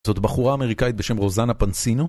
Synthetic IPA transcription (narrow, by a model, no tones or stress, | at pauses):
zo̞t̪baχuʁaːme̞ʁikait̪̚be̞ʃe̞mʁo̞zanapansino